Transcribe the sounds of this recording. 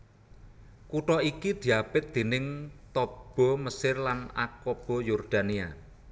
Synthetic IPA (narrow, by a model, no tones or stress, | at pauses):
kuʈɔikid̪̥i̤apɪt̪̚d̪̥e̤nɪŋt̪ɔb̥ɔ̤məsɪrlana̰kɔb̥ɔjɔrd̪̥a̤nia